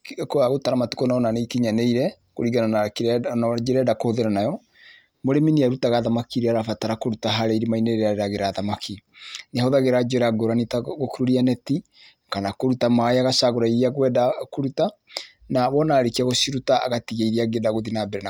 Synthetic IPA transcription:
koaɣotaɾamatu̥kɔnaɔnaneikiɲaneiɾɛ | ko̰ɾiɣananakɾnad͡ʒeɾɛdakohoðeɾanajɔ | moɾeminiaɾutaɣaðamakiɾeaɾafataɾakoɾutaɦaɾɛiɾimaineeɾeaɾeɾaɣeɾaðamakʰineɔðaɣeɾad͡ʒɔɾaɡoɾanitaɣokiɾuɾianɛti | kanakoɾutamaeaɣasaɣoɾaiɾiaɣwɛdakoɾuta | naβɔnaɾekiaɣosiɾutaa̰ɣatiɣeiɾiaɡedaɣoðinabɛɾɛna

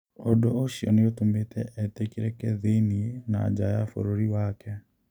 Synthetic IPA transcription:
ɔdoːʃiɔ̰neotometʰɛʔɛtekiɾɛkɛðeniena̰d͡ʒajafo̰ɾoɾiwakɛ

